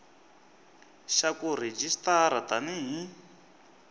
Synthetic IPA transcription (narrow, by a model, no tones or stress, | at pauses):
ʃakuɾ̤ed͡ʒistaɾat̪aniɦi